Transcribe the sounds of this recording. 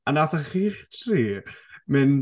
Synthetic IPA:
anaθaχiχtʰriːmɨn

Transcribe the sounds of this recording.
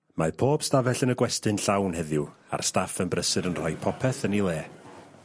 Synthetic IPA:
mapʰoːb̥stavɛɬənəɡwɛstɨnɬawnɦɛðjʊa̰rstafənbrəsɨdənr̥ɔjpʰɔpʰɛθənilˠeː

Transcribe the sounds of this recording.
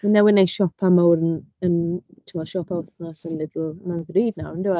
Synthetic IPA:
runɛwɪnejʃɔpʰamawɾənəntʰɪmɔʃɔpʰaʊθnɔsənlɪdlʊnaðriːdnawndɪwa

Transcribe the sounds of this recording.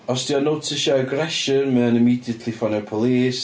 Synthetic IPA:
ɔsd̥iɔnowtʰɪʃaəɡɾɛʃənmɛə̃nɪmiːdiətʰlifɔnɛpʰɔlˠiːs

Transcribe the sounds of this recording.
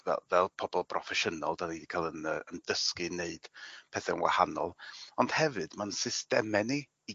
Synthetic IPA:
vɛ̰vɛlˠpʰɔbɔlˠpʰrɔfɛʃənɔlˠdanidikʰaːlˠənəəndəskɨneɨd̥pʰɛθɛənwa̰ha̰nɔ̰lˠɔnd̥hɛvɨd̥mansɪstɛmɛniː

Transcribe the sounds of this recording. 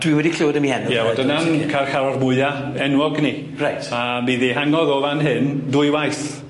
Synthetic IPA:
d̥wiwɛdikʰl̥ɪwdəmihɛnjaɔdənankʰarxaɾɔrmʊɨa | ɛnwɔɡni | rajtʰabiːðiɦaŋɔðoːvanɦɨndʊɨwajθ

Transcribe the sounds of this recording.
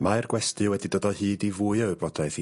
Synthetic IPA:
majrɡwɛstɨwɛdidoːdɔhɨːdivuːɨəwɨbɔdajθi

